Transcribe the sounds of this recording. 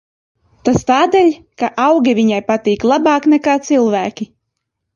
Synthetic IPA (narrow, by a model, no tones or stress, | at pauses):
t̪ast̪aːd̪ɛlʲ | kaʔawɡʲivʲiɲajpat̪iːklˠabɑːknɛkaːt̪silˠvæːkʲi